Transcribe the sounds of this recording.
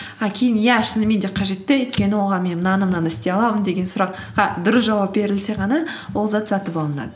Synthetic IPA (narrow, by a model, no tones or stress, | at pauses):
ɑkʲʰe̞jɪnjæʃɪnɪme̞nd̪e̞qʰɑʒe̞t̪ːɪojt̪̚kʲe̞nɪwoʁɑnmennɑnəmnɑnɪst̪eɑlˠɑmənd̪e̞ɡʲe̞nsʊɾɑqː | ɑd̪ʊɾəsʒɑwɑp̚be̞ɾɪlse̞ʁɑnɑwolˠzɑt̪zɑt̪əpɑlˠənɑ̰d̪ə